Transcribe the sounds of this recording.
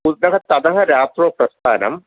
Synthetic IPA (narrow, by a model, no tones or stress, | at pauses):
ud̪nɐɦɐt̪ɐd̪ɐɦɐɾaːt̪ɾoːpɾɐst̪ʰaːnɐ̰m